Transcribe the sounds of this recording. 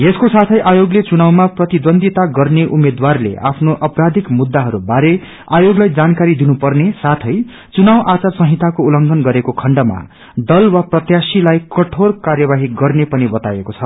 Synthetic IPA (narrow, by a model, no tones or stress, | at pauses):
jeskosat̪ʰʌjʔajoɡlet͡sunawmaprʌt̪id̪ʌnd̪ʱit̪aɡʌrneʔumed̪warlḛʔa̰pʰnoʔʌpɾad̪ʱikmud̪ːaɦʌɾubaɾe | ajoɡlajd͡zankaɾid̪inupʌrnesat̪ʰʌj | t͡sunawʔat͡sarsʌ̃ɦit̪akoulʌŋɡʱʌnɡʌɾekokʰʌɳɖʌma̰ | d̪ʌlwaprʌt̪jasilajkʌʈʰorkarjʌbaɦiɡʌrnepʌnibʌt̪ajekot͡sʰʌ